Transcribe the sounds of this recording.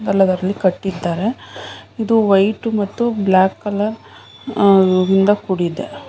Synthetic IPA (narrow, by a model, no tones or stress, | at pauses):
ɡ̪ɐlːɐd̪ɐɾɐlːikɐʈːid̪ːaːɾe̞id̪uʋɐjʈumɐt̪ːublaːkːɐlɐɾ | ɾind̪ɐkuɽid̪ːe